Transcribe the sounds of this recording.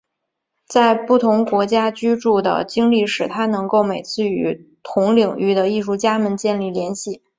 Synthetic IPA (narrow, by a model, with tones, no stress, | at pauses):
t͡sa˥˧ɪpu˥˩t̪ʰʊ˧˥ŋkwɔ˧˥t͡ɕja˥t͡ɕy˥ʈ͡ʂu˥˩d̪ə̰˩t͡ɕi˥ŋli˥˩ʂɻ̩˨˩t̪ʰa˥nɤ˧˥ŋko˥˩ʊme˨˩ɪt͡sʰɹ̩˥˧y˧˥t̪ʰʊ˧˥ŋli˨˩ŋy˥˩d̪ə˧i˥˧ʂu˥˩t͡ɕja˥mə˨nt͡ɕjɛ˥˧nli˥˩ljɛ˧˥nɕi˥˩